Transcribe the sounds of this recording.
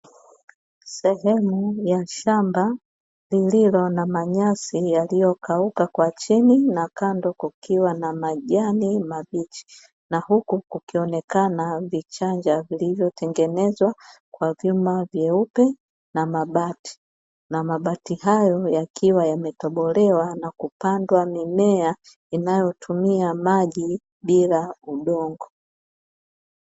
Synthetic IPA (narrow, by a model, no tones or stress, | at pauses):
sɛɦɛmujaʃamba | lililɔnamaɲasijalijɔkʰaukakwat͡ʃininakandɔkukiwanamaʄanimavit͡ʃi̥i | nahukukukiɔnɛkanavit͡ʃand͡ʒavilivjɔtʰɛŋɡɛnɛzwakwavjumavjɛupɛ | namaɓati̥ | namaɓatiɦajɔjakʰiwajamɛtɔɓɔlɛwanakupandwamimɛa | inajɔtʰumiamaʄi | ɓilauɗɔŋɡɔ